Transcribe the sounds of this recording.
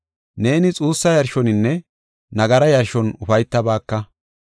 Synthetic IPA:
ne̞ːnɪt͡sʼuːsːɐjɐɾʃɔnɪnːɛ | nɐɡɐɾɐjɐɾʃɔnʊfɐjt̪ːɐbaːkːɐ

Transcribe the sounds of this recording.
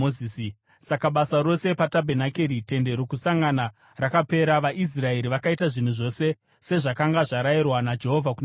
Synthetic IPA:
oiːsi | sakaɓasaɾo̞se̞patabʱenakeɾite̞nde̞ɾo̞kusaŋɡana | rakape̞ɾaʋaʔis̬rae̞ɾiʋakaitaʐin̤uʐo̞se̞ | se̞ʐakaŋɡaʐaɾajirwanad͡ʒe̞ɦo̞vʱakun

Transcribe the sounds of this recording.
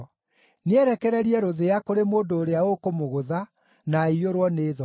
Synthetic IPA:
neɛɾɛkɛɾɛɾiɛɾoðeakoɾemoːndoːɾeaokomoɣoða | naioɾwɔneːðɔ

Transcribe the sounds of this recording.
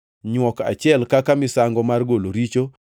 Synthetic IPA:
ɲwɔka̰t͡ʃɪɛlkakamɪsaŋɡɔmarɡoloɾit͡ʃo

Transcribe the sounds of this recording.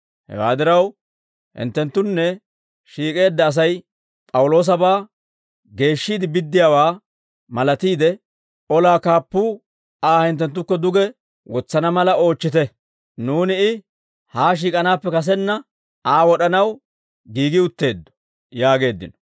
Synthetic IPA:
hɛ̰wa̰ːd̪ɪɾɐw | hɪ̰nt̪ːɛnt̪ːʊnːɛ | ʃiːkʼe̞ːd̪ːɐːs̬ɐj | pʼɐwʊlo̞ːs̬ɐbaː | ɡe̞ːʃːiːd̪ɪbɪd̪ːɪjaːwaː | mɐlɐt̪iːd̪ɛ | ɔlaːkaːpːuː | aːhɪnt̪ːɛnt̪̬ːʊkːɔd̪ʊɡɛ | wɔt͡sːɐnɐmɐlɐo̞ːt͡ʃːɪt̪ɛ | nuːnɪɪ | haːʃ̬iːkʼɐnaːpːɛkɐs̬ɛnːɐ | aːwɔɗɐnɐw | ɡiːɡɪʊt̪ːe̞ːd̪ːɔ̥ | jaːɡe̞ːd̪ːɪ̰nɔ̥

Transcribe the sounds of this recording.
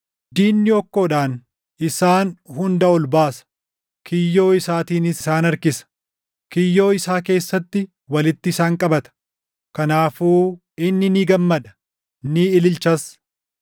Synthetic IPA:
d̪iːnːɪɔkːo̞ːᶑaːn | ɪsaːnhʊnd̪ɐɔlbaːsɐ̥ | kʰɪjːo̞ːɪsaːt̪iːnɪsaːnɐɾkɪsɐ̥ | kɪjːo̞ːɪsaːk̬e̞ːsːɐt̪ːɪ | wɐlɪt̪ːɪːsaːŋkʼɐbɐt̪ɐ̥ | kɐnaːfuː | ɪnːɪniːɡɐmːɐd̪ɐ̥ | niɪlɪlt͡ʃɐs

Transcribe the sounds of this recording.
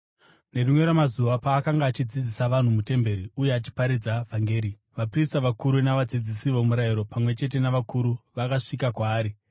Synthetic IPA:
ne̞rimwe̞ɾamazuʋapaːkaŋɡaːt͡ʃid͡zid͡zisaʋan̤umute̞mbe̞ɾiuje̞at͡ʃi̥paɾid͡zavʱaŋɡe̞ːɾi | ʋapristaʋakuɾunaʋad͡zid͡zisiʋomuɾajiɾo̞pamwe̞t͡ʃe̞t̬e̞naʋakuɾuʋakaʂikakwaːɾi

